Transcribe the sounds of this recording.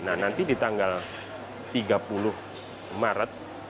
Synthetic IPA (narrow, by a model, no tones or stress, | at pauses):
nahnant̪idit̪aŋɡal | t̪iɡapulʊh | maɾat̪̚